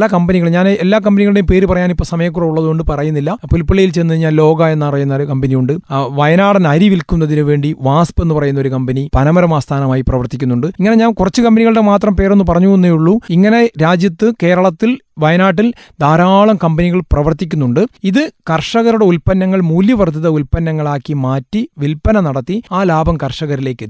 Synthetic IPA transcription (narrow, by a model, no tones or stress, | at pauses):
lɐkɐmbɐniɣɐɭɲaːnelːaːk̬ɐmbɐniɣɐɭɨɽejumpe̞ːɾupɐrɐjaːnipːo̞ːsɐmɐjɐk̬ːurɐuɭːɐðuɣo̞ɳɖɨpɐrɐjunːilːɐpulpːiɭɐjilt͡ɕe̞ːnːɐðɨɲaːnlo̞ːɡaːe̞nːɐpɐrɐjunːɐɾukɐmbɐnijuɳɖɨʋɐjɐnaːɽɐnɐɾiʋilkunːɐðinuʋe̞ːɳɖiʋaːspenːɨpɐrɐjunːɐo̞ɾukɐmbɐnipɐnɐmɐɾɐmaːst̪ʰaːnɐmaːjiprɐʋɐrt̪ikʲːunːuɳɖɨiŋːɐne̞ɲaːnkurɐt͡ɕːɨkɐmbɐniɣɐɭɨɽe̞maːt̪rɐmpe̞ːɾo̞nːɨp̬ɐrɐɲːuenːejuɭːuiŋːɐne̞ɾaːd͡ʑjɐt̪ːɨke̞ːɾɐɭɐt̪ːilʋɐjɐnaːʈ̬ːild̪ʱaːɾaːɭɐmkɐmbɐniɣɐɭprɐʋɐrt̪ːikʲːunːuɳɖɨiðɨkɐrʂɐɣɐɾuɽe̞ulpɐnːɐŋːɐɭmuːljɐʋɐrt̪iðɐulpɐnːɐŋːɐɭaːkːimaːtːiʋilpɐnɐnɐɽɐt̪ːiaːlaːbʱɐmkɐrʂɐɣɐɾile̞ːkːɨ